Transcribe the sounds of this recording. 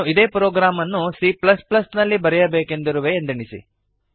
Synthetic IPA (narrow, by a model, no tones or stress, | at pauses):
uid̪e̞ːpɾoːɡɾaːmɐnːusiplɐsplɐsnɐlːibɐɾɛjɐbeːke̞nd̪iɾuʋeːnd̪iɳisḭ